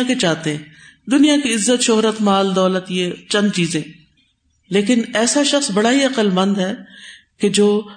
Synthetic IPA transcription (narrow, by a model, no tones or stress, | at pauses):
ket͡ʃaːt̪eɦɛ̃ːd̪ʊnijakiɪzːət̪ʃoɦɾət̪maːld̪ɔːlət̪jet͡ʃɐ̃nd̪̚t͡ʃiːzẽː | leːkɪnɛːsaʃɐxsbɐɽaɦiɐqəlmə̃nd̪ɦɛː | ked͡ʒoː